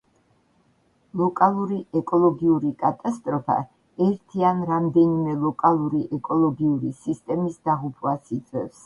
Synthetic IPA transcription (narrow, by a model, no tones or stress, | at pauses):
lˠɔkʼalˠuɾiɛkʼɔlˠɔɡiuɾikʼat̪ʼast̪ʼɾɔpʰa̰ | ɛɾt̪ʰianɾamd̪ɛnimɛlˠɔkʼalˠuɾiʔɛkʼɔlˠɔɡiuɾisist̪ʼɛmisd̪aʁupʰwasit̪sʼwɛ̰fs